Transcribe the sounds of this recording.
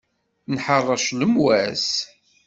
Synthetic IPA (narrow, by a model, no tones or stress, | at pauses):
nħərˤːɑʃləmwæs